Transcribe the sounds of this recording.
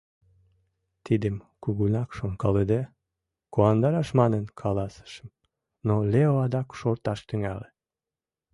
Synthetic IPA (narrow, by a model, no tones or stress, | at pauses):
t̪id̪əmkuɣunɑkʃoŋkɑled̪e | koɑnd̪ɑɾɑʃmɑnənkʰɑlɑsə̥ʃəm | noleoɑd̪ɑkʃort̪ɑʃt̪yŋæ̰le